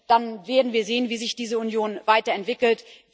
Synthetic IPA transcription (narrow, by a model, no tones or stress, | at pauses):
d̥anveːɐdn̩viːɐzeːənviːzɪçd̥iːzəunjoːnvaɪtɐɛntv̥ɪkl̩t